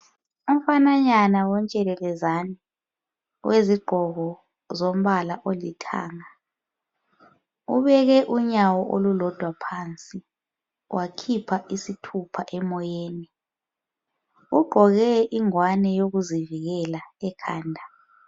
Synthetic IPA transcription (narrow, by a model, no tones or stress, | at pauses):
um̩fanaɲanawɔnt͡ʃʼɛlɛlɛzani | weziɡ͡ǃʱɔɣɔ | zom̩βalaʔolitʰa̰ːŋa | ṵβɛɣɛʔuɲawɔʔo̰lulɔd̥ʱwapʰant͡sʼi | wʔakʰipʰaʔisitʰupʰaʔɛmɔjeːni | uɡ͡ǃʱɔɣɛʔiŋwanɛjoɣuziviɣɛlaɛkʰa̰ːndʱa